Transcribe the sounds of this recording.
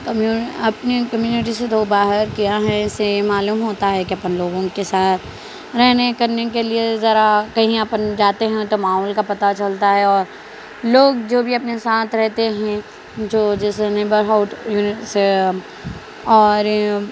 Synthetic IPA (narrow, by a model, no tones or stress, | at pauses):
kmjuɐpnekɐmjuːnɪʈ̬iset̪obaːɦəɾkijaɦɛɪsemaːluːmɦoːt̪aɦɛkiɐpənloːɡõkesaːt̪ʰ | ɾɛɦnekɐɾnekeliezɐɾakɐɦĩəpənd͡ʒaːt̪eɦɛ̃t̪omaːɦɔlkapɐt̪at͡ʃɐlt̪aɦɛɔːɾ | loːɡ̚d͡ʒoːbʱiɐpnesaːt̪ʰɾɛɦt̪eɦɛ̃ | d͡ʒoːd͡ʒɛːseneːbəɾɦaʊʈjuːnɪse | ɔːɾ